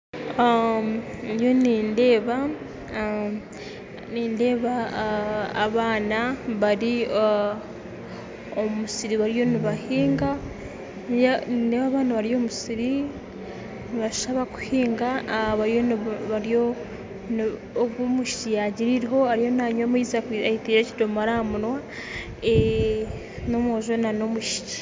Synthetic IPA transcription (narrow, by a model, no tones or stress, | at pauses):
jo̞niːnde̞ːβa | niːnde̞ːβa̰ː | βaːnaβaɾi | omusiɾiβaɾijo̞niβahiːŋɡa | ninde̞ːβaːβaːnaβaɾio̞musiɾi | niβaʃaβaku̥hiːŋɡaβaɾjonβaɾijo | nː | βwomuʃi̥cijaɟiɾiɾiɦo̞aɾijo̞naɲomizaaitiːɾecidomaɾamunwa | e | no̞mwoʒonano̞muʃi̥ci̥